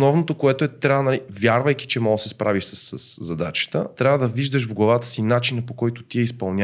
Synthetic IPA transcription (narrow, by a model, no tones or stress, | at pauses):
nɔvnot̪okoɛt̪oɛt̪ɾʲavənɐlivjaɾvəjki̥t͡ʃɛmɔɡəsɛspɾʔaviʃsəsːəsːɐd̪at͡ʃə̥t̪ə̰t̪ɾʲavəd̪ɐviʒd̪ɐʃvɡlˠɐvat̪ə̥sinat͡ʃinɐpokɔjt̪ot̪iɛispɐlˠnʲa